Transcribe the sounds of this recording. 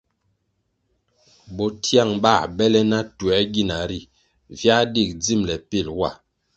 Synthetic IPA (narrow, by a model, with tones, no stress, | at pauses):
bɔ˨tʰja˦˨ŋba˦˨bɛ˦lɛ˦na˦tu˨ɛ˨˦ɡi˦˨na˨ɾi˦˨ | vja˦di˦˨k̚d͡zi˦˨mlɛ˨pi˦˨lwa˦˨